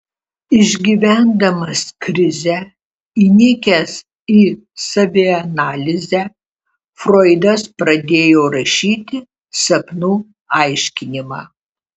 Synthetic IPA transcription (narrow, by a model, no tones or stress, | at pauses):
ɪʒʲɡʲiʋʲæˑnd̪ɐmɐskɾʲɪzʲɛ | inʲɪkʲɛs | iː | sɐʋʲɪɐnɑːlʲɪzʲæ | fɾoːɪd̪ɐspɾɐd̪ʲeːjoːɾɐʃʲiːt̪ʲɪ | sɐpnuː | ɐɪʃʲkʲɪnʲɪmɑː